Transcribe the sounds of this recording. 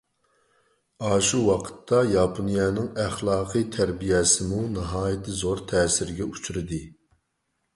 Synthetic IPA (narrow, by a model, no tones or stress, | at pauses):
ɑːʃuwɑqʰə̥t̪ʰːɑjɑːpʰonijɛnɪŋæχlˠɑːqʰɨt̪ʰæɾbijɛsɪmunɑɦɑːjɪt̪ʰɨzoɾt̪ʰɛːsɪɾɡʲɛut͡ʃʰuɾɨd̪ɨ